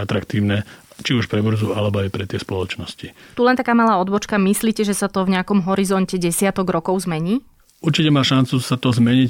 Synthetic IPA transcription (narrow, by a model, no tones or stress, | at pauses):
at̪ɾakt̪iːʊnɛt͡ʃiuʃpɾɛbr̩zualɛbɔajpɾɛt̪ɪɛspɔlɔt͡ʃnɔscit̪ulɛnt̪akaːmalaːɔd̪bɔt͡ʃkamisliːcɛʒɛsat̪ɔvɲɛakɔmɦɔɾizɔncɛɟɛsɪat̪ɔɡɾɔkɔʊzmɛɲiː | uɾt͡ʃicɛmaːʃant͡susat̪ɔzmɛɲic